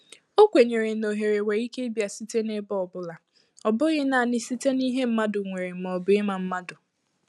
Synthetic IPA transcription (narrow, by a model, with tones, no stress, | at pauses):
o˦kʷe˨ɲe˨ɾe˨no˨ɦe˨ɾe˨we˨i˦ke˦bja˨si˦te˦ne˦bɔ˦ɔ˨bʊ˦la˨ | ɔ˨bʊ˦ɣɪ˦na˨nɪ˦si˦te˦ni˦ɦe˦m̩˦ma˦dʊ˨ŋʷe˨ɾe˨m̩˨mɔ˨bʊ˦ɪ˦ma˨m̩˦ma˦dʊ˨